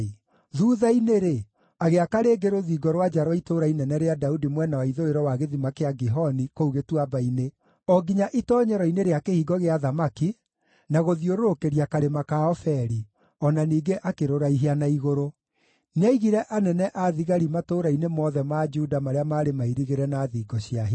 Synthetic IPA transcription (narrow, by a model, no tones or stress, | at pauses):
ðuːðaineɾe | aɣeakaɾeːɡeɾoðiːɡɔɾwad͡ʒaɾwɔitoɾainɛnɛɾeadaudimwɛnawaiðoeɾɔwaɣeðimakeaɡiɦɔnikouɣetwabaine | ɔɡiɲaʔitɔːɲɛɾɔineɾeakehiːɡɔɣeaðamaki | naɣoðioɾoɾokeɾiakaɾemakaɔfɛɾi | ɔnaniːɡeʔakeɾoɾaiɦeanaiɣoɾo | naiɣiɾɛʔanɛnɛʔaðiɣaɾimatoːɾainemɔðɛmad͡ʒuːdamaɾeamaːɾemaiɾiɣeɾɛnaːðiːɡɔɕjaɦi